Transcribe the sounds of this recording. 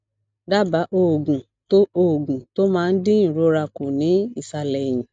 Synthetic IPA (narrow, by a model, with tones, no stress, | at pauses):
da˦ba˨˦ʔo˨ɡũ˨ | to˦o˦˨ɡũ˨to˦mãː˦˧n̩˦dĩ˦ĩ˦˨ɾo˨˦ɾa˧ko˨nĩ˨˦i˦˨sa˧lɛ˨j̃ĩ˨